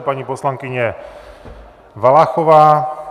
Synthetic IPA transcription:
paɲipɔslaŋkiɲɛ | ʋalaxɔʋaː

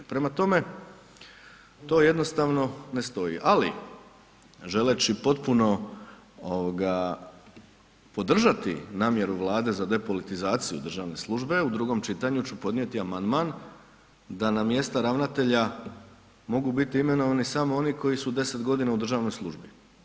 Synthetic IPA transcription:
pɾe̞mat̪o̞me̞ | t̪o̞ːje̞d̪no̞st̪aːʋno̞ne̞st̪o̞jḭʔalḭ | ʒe̞let͡ɕipo̞t̪puno̞ | oʋoɡa | po̞d̪r̩ʒat̪ḭnaːmje̞ɾuʋlˠaːd̪e̞zad̪e̞po̞lit̪izaːt̪sijud̪r̩ʒaːʋne̞slˠuʒbe̞ud̪ɾuɡo̞mt͡ʃit̪aɲut͡ɕupo̞d̪nije̞t̪iamand̪man | d̪anamje̞st̪aɾaʋnat̪e̞ʎa | mo̞ɡubit̪iime̞no̞ʋanisamo̞o̞niko̞jisud̪e̞se̞t̪ɡo̞d̪inaud̪r̩ʒaːʋno̞jslˠuʒbi

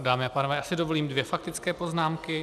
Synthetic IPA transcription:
daːmɪapaːnovɛːjaːsɪdovo̞liːmdvjɛfak̚t̪ɪt͡skɛːpo̞znaːmkɪ

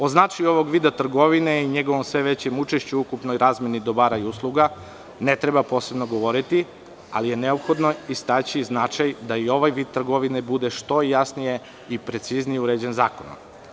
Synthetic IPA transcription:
o̞znat͡ʃajuo̞ʋo̞ɡʋiːd̪at̪r̩ɡo̞ʋine̞iɲe̞ɡoʋomsʋe̞ʋe̞t͡ɕemut͡ʃeʃt͡ɕuukupnojɾaːzme̞nid̪o̞baɾajuslˠuɡa | ne̞t̪ɾebapo̞ːse̞bnoɡo̞ʋo̞ɾit̪i | a̰lije̞ne̞o̞pxo̞d̪no̞ist̪at͡ɕiznat͡ʃajd̪aio̞ʋajʋid̪̚t̪ːr̩ɡo̞ʋinebud̪eʃt̪o̞jasnije̞ | ipɾe̞t̪siznijeuɾed͡ʑe̞nzaːkono̰m

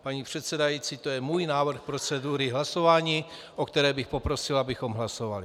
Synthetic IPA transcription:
paɲiːpr̝̥ɛt̪sɛdajiːt͡siːt̪ojɛmuːjnaːvr̩xpɾo̞t͡sɛduɾɪɦlaso̞vaːɲiː | ʔokt̪ɛɾɛːbɪxpo̞pɾo̞sɪlabɪxo̞mɦlaso̞va̰lɪ

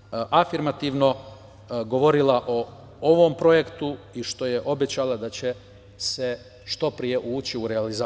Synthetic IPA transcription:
ʔafiɾmat̪iʋno | ɡo̞ʋo̞ɾilaʔo | oʋo̞mpɾo̞je̞kt̪uiʃt̪o̞je̞ʔo̞bet͡ɕalad̪at͡ɕe̞ | se | ʃt̪o̞pɾije̞ʔuːt͡ɕiuɾealiza

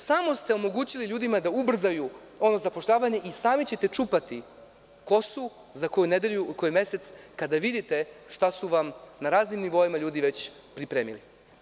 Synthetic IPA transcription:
samo̞st̪e̞o̞mo̞ɡuːt͡ɕiliʎuːd̪imad̪aubr̩zaju | o̞no̞zapo̞ʃʎaːʋaɲe̞ʔisaːmit͡ɕe̞t̪e̞t͡ʃuːpat̪i | ko̞su | zako̞juned̪eʎuko̞jume̞se̞t̪skad̪aʋid̪it̪e̞ʃt̪asuʋamnaɾaːznimniʋo̞imaʎuːd̪iʋe̞t͡ɕ | pɾipɾeːmḭli

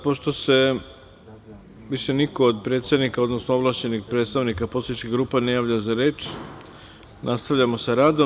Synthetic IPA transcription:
poʃt̪o̞se̞ | ʋiʃe̞niko̞ːd̪pɾet̪st̪ad̪nikao̞d̪no̞snooblˠaːt͡ɕe̞nixpɾet̪st̪aʋnikaposet͡ʃkiɣɡɾuːpanejaːʋʎazaɾe̞ːt͡ʃ | nʔast̪aʋʎamo̞saɾaːd̪o

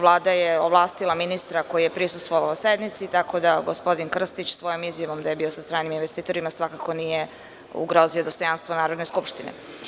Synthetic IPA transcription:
ʋlˠaːd̪ajeoʋlˠaːst̪ilˠaminist̪ɾakojijepɾisu̥st̪ʋoʋaosed̪nit̪sit̪ako̞d̪aɡospo̞d̪inkr̩st̪it͡ɕsʋo̞jo̞mizjaʋo̞md̪aje̞bio̞sast̪ɾaːniminʋest̪iːt̪o̞ɾimasʋakako̞nije̞ | ṵɡɾo̞zio̞d̪o̞st̪o̞janst̪ʋonaːɾo̞d̪ne̞skupʃt̪inḛ

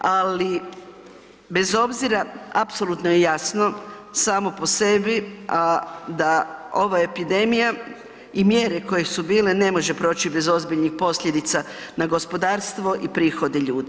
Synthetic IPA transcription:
ali | be̞zo̞bziɾaapso̞lut̪nojejasno̞saːmo̞po̞se̞biad̪ao̞ʋaepid̪e̞mija | imje̞ːɾeko̞jesubiːle̞ne̞mo̞ʒe̞pɾo̞ːt͡ɕibe̞zo̞zbiʎnixpo̞sʎʲed̪it̪sa | naɡo̞spo̞d̪aːɾst̪ʋo̞ʔipɾiːxo̞d̪eʎuːd̪i

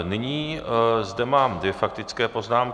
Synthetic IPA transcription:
nɪɲiːzdɛmaːmd̪vɛfak̚t̪ɪt͡skɛːpo̞znaːmk

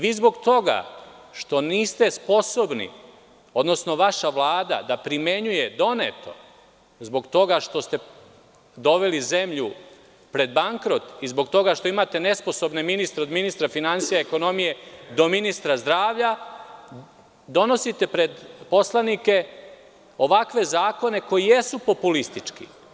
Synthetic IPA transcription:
ʋiːzbo̞ɡt̪o̞ɡa̰ʃt̪o̞niːst̪e̞spo̞so̞bnḭ | o̞d̪nosno̞ʋaʃaʋlˠaːd̪a̰d̪apɾime̞ɲuje̞d̪o̞net̪ʰo̞̰ | zbo̞ɡt̪o̞ɡaʃt̪o̞st̪e̞ | d̪o̞ʋe̞lize̞mʎu | pɾe̞d̪baŋkɾo̞t̪izbo̞ɡt̪o̞ɡaʃt̪o̞imaːt̪e̞ne̞spo̞so̞bne̞minist̪ɾeod̪minist̪ɾafinansijaeko̞no̞mije̞d̪o̞minist̪ɾazd̪ɾaːʋʎa | d̪o̞no̞sit̪e̞pɾe̞d̪po̞slˠanike̞ | o̞ʋakʋe̞zaːko̞ne̞ko̞jije̞supo̞pulist̪it͡ʂkḭ

